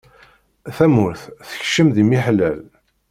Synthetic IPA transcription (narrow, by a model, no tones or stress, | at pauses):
θæmʊɾθθə̥çʃəmðimiħlæl